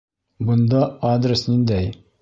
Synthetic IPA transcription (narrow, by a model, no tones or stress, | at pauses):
bŏnd̪ɑad̪rʲɪsnind̪æj